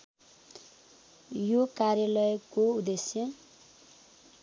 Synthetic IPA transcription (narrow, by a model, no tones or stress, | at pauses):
jokarjʌlʌjkoud̪esjʌ